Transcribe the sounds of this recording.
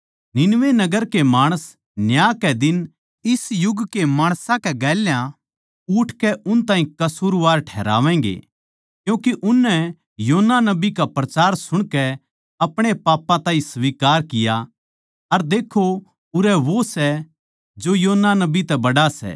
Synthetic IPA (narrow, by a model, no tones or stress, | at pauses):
nɪnʋenɐɡəɾkemaːɽ̃əs | njaːkɛd̪ɪn | ɪsjʊɡkemaːɽ̃sãkɛɡɛːljã | ʊʈʰkɛʔʊnt̪ãːĩkɐsuːɾʋaːɾʈʰɛːɾa̰ːʋɛ̃ːɡḛ | kjũːkiʔʊnːɛ | joːɦnːanɐbikapɾɐt͡ʃaːɾsʊɽ̃kɛ | ɐpɽ̃epaːpːãt̪ãːɦĩsʋiːkaːɾkɪja | ɐɾd̪eːkʰo | ʊɾɛʋosɛ | d͡ʒojoːnːanɐbit̪ɛbɐɽasɛ̰ː